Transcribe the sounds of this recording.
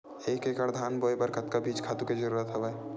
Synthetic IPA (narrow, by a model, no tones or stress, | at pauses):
ekekəɾd̪ʱaːnboːjbɐɾkət̪̚kabiːt͡ʃkʰaːt̪uked͡ʒəɾuːɾət̪ɦəʋa